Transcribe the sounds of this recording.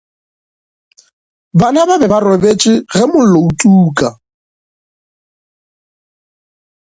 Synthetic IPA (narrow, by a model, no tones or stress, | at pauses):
banababɛbarobet͡ʃʼɪɣɛmʊloutʼuːkʼa